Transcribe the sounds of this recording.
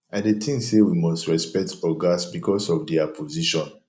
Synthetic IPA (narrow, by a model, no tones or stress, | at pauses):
ãdetʰĩŋsewimɔstɹɛspɛk̚tʰɔɡasbikʰɔsɔfdɛapʰoziʃɔ̃n